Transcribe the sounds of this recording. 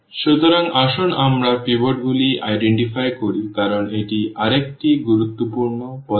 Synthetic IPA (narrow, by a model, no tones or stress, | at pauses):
ʃut̪ɔɾaŋɡaʃɔnamɾaɾpibɔɖɡuliʔajɖeɳʈipʰajkɔɾikaɾɔɳeʈiʔaɾek̚ʈiɡuɾut̪ːɔpuɾɳɔpɔ